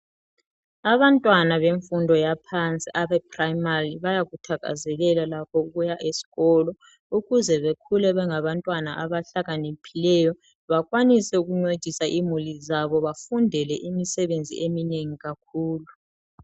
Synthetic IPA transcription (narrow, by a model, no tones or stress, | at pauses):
aβantʼwanaβeɱfundʱɔjapʰant͡sʼiʔaβɛpʰrajmariβajaɣutʰaɣa̰zɛɣɛlalakʰɔuɣujaʔesi̥ɣɔlɔ | uɣuzɛβekʰulɛβɛŋaβantʼwana̰ʔaβaɬaɣanepʰilɛjɔ | βak̬ʼwanisɛuɣuŋ͡ǀed̥ʱisaʔimulizaβɔβafundʱɛlɛʔimisɛβend͡zʱḭʔemineŋiɣakʰuːlu